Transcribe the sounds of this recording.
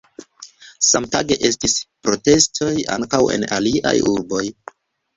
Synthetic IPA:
samtaɡe̞ʔe̞stispɾo̞te̞stʰo̞ja̰ŋkawe̞̰naliʔa̰juɾbo̞j

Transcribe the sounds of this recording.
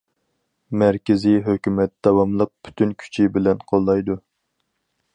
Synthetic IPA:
mæɾkʲɪziɦøkʲymɛt̪̚d̪̥ɑwɑmlˠəq̚pʰy̥t̪ʰynkʲʰy̥t͡ʃʰibɪlɛnqʰolˠːɑjd̪u

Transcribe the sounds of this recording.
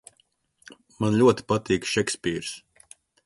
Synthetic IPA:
manlʲuɔt̪i̥pat̪iːkʃɛkspʲiːɾs

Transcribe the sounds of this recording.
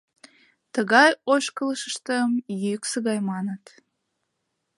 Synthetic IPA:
t̪əɣɑjoʃkələʃəʃt̪əmjyksəɣɑjmɑnət̪

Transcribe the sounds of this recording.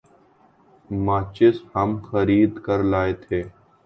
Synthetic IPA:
maːt͡ʃɪshəmxəɾiːd̪kəɾlaːeːt̪ʰeː

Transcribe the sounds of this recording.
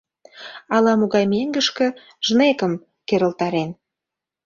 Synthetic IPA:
ɑlɑmuɣɑjmeŋɡə̆ʃkə̆ | ʒ̥nekə̆m | keɾə̆lt̪ɑɾen

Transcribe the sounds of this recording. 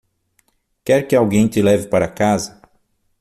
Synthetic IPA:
kɛɾkɪawɡẽj̃t̪ɪlɛvɪpaɾɐkazɐ

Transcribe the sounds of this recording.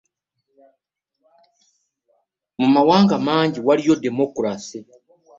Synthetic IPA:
mumawaːŋɡamaːɲɟiwalijo̞de̞mokuɾase

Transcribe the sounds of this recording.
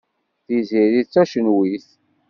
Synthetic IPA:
θiziɾit͡sːæʃənwiθ

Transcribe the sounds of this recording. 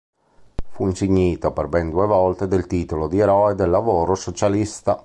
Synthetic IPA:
fuinsiɲːiːt̪aperbɛnd̪uevɔlt̪ed̪elt̪iːt̪olod̪ieɾɔed̪elːavoːɾosot͡ʃalist̪a

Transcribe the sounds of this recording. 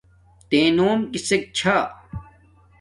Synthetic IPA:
t̪ẽːnoːmkisek̚t͡ɕʰa

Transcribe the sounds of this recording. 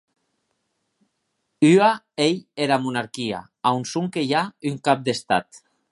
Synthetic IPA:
ya | ejeɾamunaɾkia̰ | awnsuŋkejayŋkap̚d̪est̪a̰t̪

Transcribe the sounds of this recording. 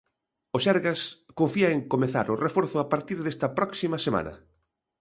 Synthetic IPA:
ʊsɛɾɣas | koɱfiɐeŋkomeθa̰ɾʊrefoɾθʊapaɾt̪iɾðest̪ɐpɾɔksimɐsema̰nɐ̰

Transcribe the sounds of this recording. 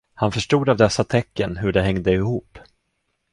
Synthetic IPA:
hanfœʂʈuːd̪avd̪ɛsːat̪ʰɛkːənɦɵɖɛɦɛŋd̪əɪhuːpː

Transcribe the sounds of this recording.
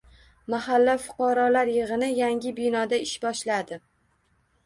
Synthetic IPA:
mahalːafʊ̥qʰɑɾɒlaɾjɨʁɨnɪjaŋʲɪbɪnɒd̪aɪʃbɒʃlad̪ɪ

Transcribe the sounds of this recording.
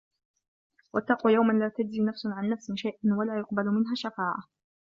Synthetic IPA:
wat̪ːɑːqujawmanlaːt̪ad͡ʒziːnafsʕanːafsɪʃajʔanwalaːjʊqbalmɪnɦaːʃafaːʕa̰

